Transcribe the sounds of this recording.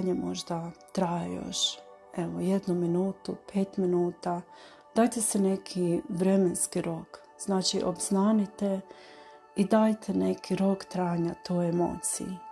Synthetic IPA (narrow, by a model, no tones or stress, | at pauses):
ɲamo̞̰ʒd̪at̪ɾajejo̰ʃ | eʋoje̞d̪numinuːt̪upʰeːt̪minuːt̪a | d̪̥aːjt̪esene̞kʰiʋɾe̞menskiɾo̞k | z̥naːt͡ʃiʔobznaːnit̪e̞ | id̪aːjt̪ʰene̞kʰiɾo̞kt̪ɾaːɲat̪ʰojemo̰ːt̪sḭji